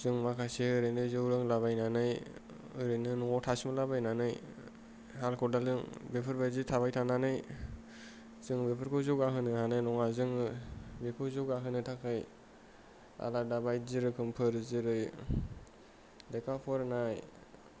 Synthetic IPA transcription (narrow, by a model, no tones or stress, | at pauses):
zɯŋmakʰaseɯɾɯjnɯzɯwɾɯŋlaβajnanɯj | ɯɾɯnɯnuŋɔtʰasmalabajnanɯj | halkʰɔdalɯŋbepʰɯɾbazitʰaβajtʰananɯj | z̥ɯŋbepʰɯɾkʰɯwzɯɡaɦɯnɯhanɯjnɔŋazɯŋbepʰɯwzɯɡaɦɯnɯtʰakʰɯj | a̰ladabajzɯɾɯkʰɯmpʰɯɾzɯɾɯj | dekʰapʰɔɾnaj